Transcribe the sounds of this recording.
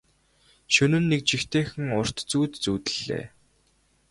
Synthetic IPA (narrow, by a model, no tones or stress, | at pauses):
ʃɵnɘ̆nːek̚t͡ɕixt̪ʰeːxɘ̆ŋʊr̥t̪t͡suːt̪t͡suːt̪ɘ̆ɮːḛː